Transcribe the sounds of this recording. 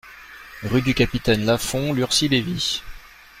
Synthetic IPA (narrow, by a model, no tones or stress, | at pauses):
ʁyd̪ykapit̪ɛnlafɔ̃lyʁsilevi